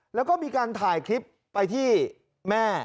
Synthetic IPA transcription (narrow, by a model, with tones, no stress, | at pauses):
lɛ˦˥wkɔː˥˩miː˧kaː˧nt̪ʰaː˨˩jkʰɾi˦˥pːa˧jt̪ʰiː˥˩ | mɛː˥˩